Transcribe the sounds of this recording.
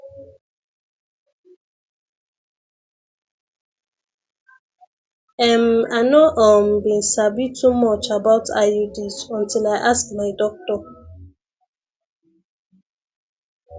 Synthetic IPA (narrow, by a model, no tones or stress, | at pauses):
ɛmanoʔɔmbĩnsabitʰumɔt͡ʃabaʊtʰa̰judisɔ̃ntilajʔaskmaɪdɔk̚tɔ